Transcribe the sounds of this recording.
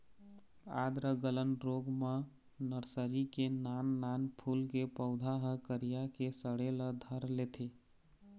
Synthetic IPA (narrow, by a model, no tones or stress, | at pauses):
a̰d̪ɾəɡələnɾoɡme | nəɾsəɾikenanːanpʰulkepəʊd̪ʱaɦəkəɾijakesəɽeləd̪ʱəɾlet̪ʰi